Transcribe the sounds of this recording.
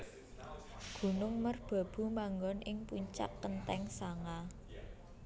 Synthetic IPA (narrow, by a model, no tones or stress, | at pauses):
ɡ̥ṳnʊŋmərb̥a̤b̥ṳmaŋɡɔnʔɪŋpuɲt͡ʃa̰kːənt̪ɛŋsaŋa